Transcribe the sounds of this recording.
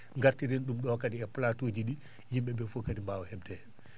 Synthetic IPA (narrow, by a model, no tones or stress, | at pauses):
ŋɡaɾtiɾinɗumɗɔkadiɛplatod͡ʒiɗi | jimɓɛbɛfokadimbawɔhɛbdɛ